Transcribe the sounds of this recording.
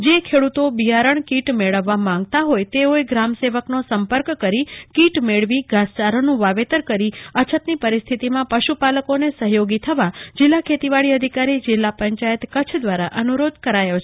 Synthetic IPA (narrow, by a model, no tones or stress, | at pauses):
d͡ʒekʰeɽut̪obiaɾəɳkiʈmeɭəʋːamãŋɡ̚t̪aɦojt̪eoeɡɾamseʋəknosəmpəɾkkəɾikiʈmeɭʋiɡʱast͡ʃaɾonũʋaʋet̪əɾkəɾiət͡ʃʰət̪nipəɾist̪ʰit̪imãpəʃupaləkonesəɦjoɡit̪ʰəʋad͡ʒɪlːakʰet̪iʋaɭiəd̪ʱikaɾid͡ʒɪlːapəɲt͡ʃajət̪kət͡ʃʰd̪ʋaɾaʔənuɾod̪kəɾajot͡ʃʰe